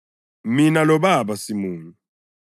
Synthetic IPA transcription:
minalɔbabasimuːnu

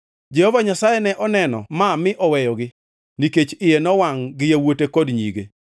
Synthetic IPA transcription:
d͡ʒehovaɲasajɛnɛʔɔnɛnɔ̰mamɪʔɔwɛjɔɡɪ | niket͡ʃɪjenɔwaŋɡɪjewotekɔdɲḭɡe

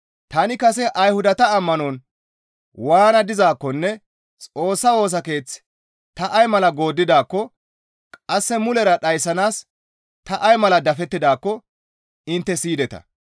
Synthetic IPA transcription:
t̪ɐnɪkɐsɛʔɐjhʊd̪ɐt̪ɐːmːɐnɔn | waːnɐd̪ɪzaːkːɔnːɛ | t͡sʼo̞ːsːɐwo̞ːs̬ɐke̞ːt͡s | t̪ɐʔɐjmɐlɐɡo̞ːd̪ːɪd̪aːkːɔ | kʼɐsːɛmʊlɛɾɐɗɐjsɐnaːs | t̪ɐʔɐjmɐlɐd̪ɐfɛt̪ːɪd̪aːkːɔ | ɪnt̪ːɛsiːd̪ɛt̪ɐ̰

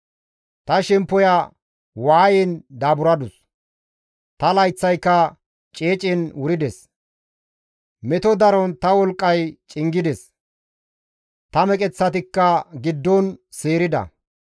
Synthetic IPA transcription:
t̪ɐʃɛmpːɔja | waːjɛnd̪aːbʊɾɐd̪ʊs | t̪ɐlɐjt͡sːɐjkːɐ | t͡ʃʼeːt͡ʃʼɪnwʊɾɪd̪ɛs | mɛt̪ɔd̪ɐɾɔnt̪ɐwɔlkʼːɐjt͡ʃʼɪŋɡɪd̪ɛs | t̪ɐmɛkʼɛt͡sːɐt̪ɪkːɐɡɪd̪ːɔnseːɾɪd̪ɐ̰

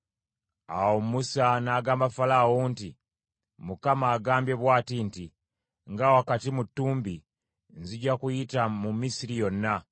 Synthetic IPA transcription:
awomusanaːɡaːmbafalawonti | mukamaːɡaːmbje̞βwaːtinti | ŋɡawakatimutːuːmbi | nziɟakujitamumisiɾijo̞nːa

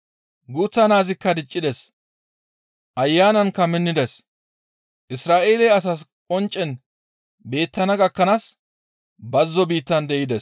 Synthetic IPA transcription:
ɡuːt͡sːɐnaːzɪkːɐd̪ɪt͡ʃʼːɪd̪ɛs | ʔɐjːaːnɐnkɐmɪnːɪd̪ɛs | ʔɪsɾaːʔe̞ːlɛːɐs̬askʼɔnt͡ʃʼːɛn | be̞ːt̪ːɐnɐɡɐkːɐnaːs | bɐzːɔbiːt̪ːɐnd̪ɛʔɪd̪ɛs

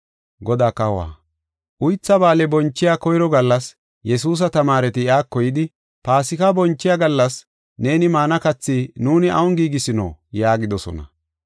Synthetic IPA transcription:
ɡɔd̪aːkɐwa̰ː | ʔʊjt͡sːɐbaːlɛbɔnt͡ʃːɪjakɔjɾɔɡɐlːɐs | jɛsuːs̬ɐt̪ɐmaːɾɛt̪ɪjaːkːɔjɪd̪ɪ | paːsɪkɐbɔnt͡ʃːɪjaɡɐlːɐs | ne̞ːnɪmaːnɐkɐt͡sːiːnuːnɪʔɐwɔŋɡiːɡɪsɪnɔ̰jaːɡɪd̪ɔsɔ̰nɐ̰

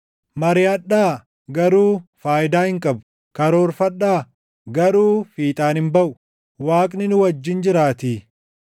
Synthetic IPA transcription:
mɐɾɪɐᶑːaː | ɡɐɾuːfaːjɪd̪aːhɪŋkʼɐbʊ | kɐɾoːɾfɐɗːaː | ɡɐɾuːfiːt̪ʼaːnhɪmbɐʔʊ | waːkʼnɪnʊwɐd͡ʒːɪnd͡ʒɪɾaːt̪iː

